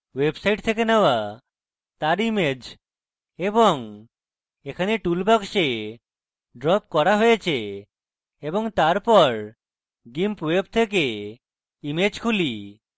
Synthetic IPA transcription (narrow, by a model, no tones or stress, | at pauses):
websajʈt̪ʰek̬enewa | t̪aɾimed͡ʒ | ebɔŋ | ekʰaneʈulbɔɡʃe | ɖɾɔp̚kɔɾaɦojet͡ʃʰe | ebɔŋt̪aɾpɔɾ | ɡimpweb̚t̪ʰek̬e | imed͡ʑkʰuli